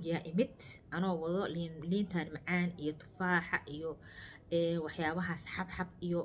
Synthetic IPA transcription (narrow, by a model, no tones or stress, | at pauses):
ɡɪjaʔɪmɪd̪ʔɐnɔːwɐðɔlinliːnt̪ʰɐnmɑʕaːnijɔt̪ʰʊ̥faːħɑ̰ʔijɔ | ɛːnwɑħjaːβɐɦaːsħɑbħɑbijɔ